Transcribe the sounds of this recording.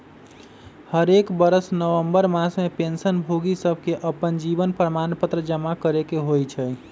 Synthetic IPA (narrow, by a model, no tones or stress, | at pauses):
həɾekbəɾəsnəʋəmbəɾmasmepensənbʱoɡisəbʱkeʔəpənd͡ʒibənpɾəmanpət̪ɾəd͡ʒəmakəɾekeɦojt͡ʃʰəj